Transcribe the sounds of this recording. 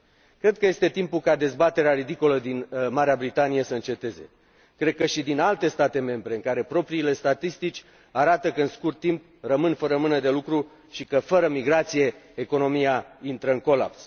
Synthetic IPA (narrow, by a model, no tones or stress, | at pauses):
kɾe̞d̪̚kəje̞st̪e̞t̪impulkad̪e̞zbat̪e̞ɾeaɾid̪iko̞ləd̪inmaɾeabɾit̪anije̞səɨnt͡ʃe̞t̪e̞ze̞̰ | kɾe̞d̪̚kəʃid̪inalt̪e̞st̪at̪e̞me̞mbɾe̞ɨŋkaɾe̞pɾo̞pɾiːle̞st̪at̪ist̪it͡ʃʲ | aɾat̪əkəɨnskurt̪ːimp̚ | rəmɨnfəɾəmɨnəd̪e̞lukɾu | ʃikəfəɾəmiɡɾat̪sije̞ːko̞no̞mijaint̪ɾəɨŋko̞la̰ps